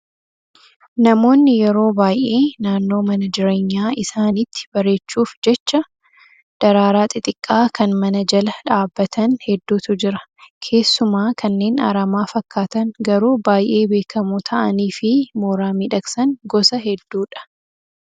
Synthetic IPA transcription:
nɐmo̞ːnːɪjɛɾo̞ːbaːjʔe̞ːnaːnːo̞ːmɐnɐd͡ʒɪɾe̞ːɲːaːɪsaːnɪt̪ːɪ̥bɐɾe̞ːt͡ʃːuːfd͡ʒɛt͡ʃːɐ | d̪̥ɐɾaːɾaːt̪ʼɪt̪ʼɪkʼːaːkʰɐnmɐnɐd͡ʒɐlɐᶑaːbːɐt̪ʰɐnhɛd̪ːuːt̪ʊd͡ʒɪɾɐ̥kʰe̞ːsːʊmaːkʰɐnːe̞ːna̰ɾɐmaːfɐkːaːt̪ɐnɡɐɾuːbaːjʔe̞ːbe̞ːkɐmut̪ʰɐʔɐniːfɪmoːɾaːmiːᶑɐksɐŋɡɔsɐɦɛd̪ːuːᶑɐ̥

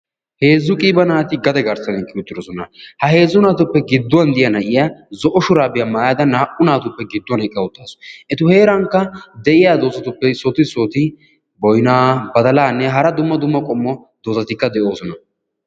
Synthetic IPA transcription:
he̞ːzːʊkʼiːbɐnaːt̪ɪɡɐd̪ɛɡɐɾsɐnɛkːɪʊt̪ːɪɾɔsɔnɐhɐhe̞ːzːʊnaːt̪ʊpːɛɡɪd̪ːʊwɐnd̪ɪjɐnɐʔɪjazɔʔɔʃʊɾaːbɪjɐmaːjɐd̪ɐnːhɐʔʊnaːt̪ʊpːɛɡɪd̪ːʊwɐnɛkʼːɐwʊt̪ːaːsɔ̥ʔɛt̪ʊhe̞ːɾɐŋkːɐd̪ɛʔɪjaːd̪o̞ːsɐt̪ʊpːɛsɔt̪ɪsɔt̪ɪ | bɔjnaːbɐd̪ɐlaːnːɛɦɐɾɐd̪ʊmːɐd̪ʊmːɐkʼɔmːɔd̪̥oːsɐt̪ɪkːɐd̪ɛʔo̞ːsɔnɐ

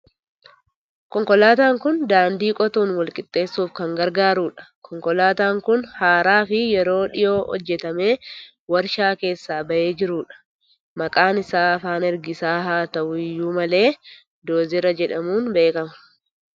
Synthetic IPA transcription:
kɔŋkʼɔlaːt̪aːŋkʊnd̪aːnd̪iːkʼɔt̪uːnwɐlkʼɪt̪ʼːe̞ːsːuːfkɐŋɡɐɾɡaːɾuːᶑɐ̥kʰɔŋkɔlaːt̪aːŋkʊnhaːɾaːfɪjɛɾo̞ːᶑɪjo̞ːhɔ̰d͡ʒːɛt̪ɐme̞ː | wɐɾʃaːke̞ːsːaːbɐʔe̞ːd͡ʒɪɾuːᶑɐ̥ | mɐkʼaːnɪsaːɐfaːnɛɾɡɪsaːɦaːt̪ɐʔʊɪjːuːmɐle̞ː | d̪oːzɪɾɐd͡ʒɛᶑɐmuːnbe̞ːkɐmɐ̥

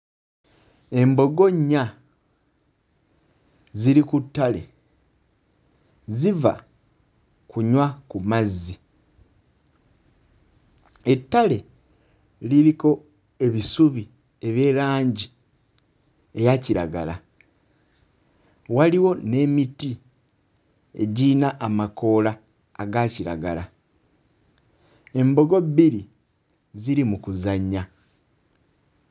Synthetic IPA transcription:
e̞mbo̞ɡo̞ɲːa | ziɾikutːale̞̰ | ziva̰ | kuɲwakumazːi | e̞tːale̞ | liɾiko̞ | e̞βisuβi | e̞βje̞ːlaːɲɟi | e̞jaciɾa̰ɡala | waliwo̞ne̞miti | e̞̰ɟiːnaʔːmako̞laː | ɡaciɾa̰ɡala | e̞mbo̞ɡo̞biɾi | ziɾimukuzaɲa

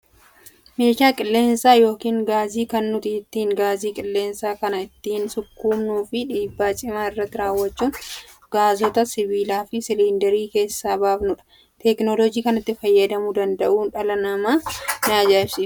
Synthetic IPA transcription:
meːʃaːkʼɪlːe̞ːnsaːjo̞ːkiːŋɡaːziːkɐnːʊt̪ɪɪt̪ːiːŋɡaːziːkʼɪlːe̞ːnsaːkɐnɐɪt̪ːiːnsʊkːuːmnuːfɪᶑiːbːaːt͡ʃʼɪmaːɪrːɐt̪ːɪɾaːwːɐt͡ʃːuːn | ɡ̥aːzɔt̪ɐsɪβiːlaːfɪsɪliːnd̪ɛɾiːke̞ːsːaːbaːbnʊᶑɐ̥ | t̪ɛknɔlɔd͡ʒiːkɐnɪt̪ːɪfɐjːɐd̪ɐmʊd̪ɐnd̪ɐʔuːnᶑɐlɐnɐmaːnaːd͡ʒaːsɪː

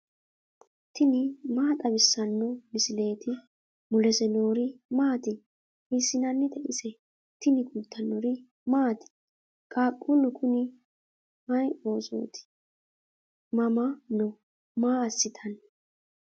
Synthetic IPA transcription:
t̪ʰɪnɪmaːt̪ʼɐbɪsːɐnːɔmɪsɪleːt̪ʰɪ | mʊlɛsɛnoːɾɪmaːt̪ɪ | ɪsːɪnɐnːɪt̪ɛʔɪsɛ | t̪ɪnɪkuːt̪ʰːɐnːɔɾɪ | maːt̪ɪ̥ | kʼaːkʼːʊnʊkʰʊnɪ | mɐjʔo̞ːso̰ːt̪ʰɪ̥ | mɐmɐnɔ | maːɐsːɪt̪ʰɐnː

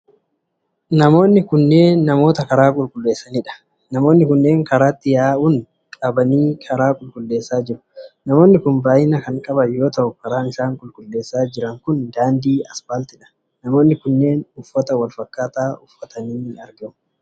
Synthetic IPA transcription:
nɐmo̞ːnːɪkʊnːe̞ːnːɐmo̞ːt̪ɐkɐɾaːkʼʊlkʼʊlːe̞ːsːɐniːᶑɐ̥ | nɐmoːnːɪkʊnːe̞ːŋkɐɾaːt̪ːɪjaːʊn | kʼɐbɐniːkʰɐɾaːkʼʊlkʼʊlːe̞ːsːaːd͡ʒɪɾʊ̥nɐmo̞ːnːɪkʊnbaːjɪnɐkɐŋkʼɐbɐjo̞ːt̪ɐʔʊkɐɾaːnɪsaːŋkʼʊlkʼʊlːe̞ːsːaːd͡ʒɪɾɐŋkʊnd̪aːnd̪iːɐspaːlt̪ɪᶑɐ̥ | nɐmo̞ːnːɪkʊnːe̞ːnʊfːɐt̪ɐwɐlfɐkːaːt̪aːʊfːɐt̪ʰɐniːɐɾɡɛʊ

